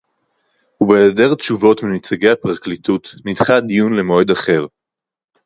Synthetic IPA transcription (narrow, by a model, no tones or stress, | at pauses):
hubeːdeʁtʃuvo̞tmimit͡saɡe̞japʁaklitutnidχadijunle̞mo̞edaχe̞ʁ